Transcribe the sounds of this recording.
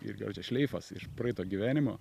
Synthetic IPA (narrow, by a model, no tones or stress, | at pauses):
ɪ̰rɡɐ̰lʲt͡ʃʲɛʃʲlʲɛɪfɐsɪ̰ʃpɾɐɛɪt̪oːɡʲiʋʲæːnʲɪmoː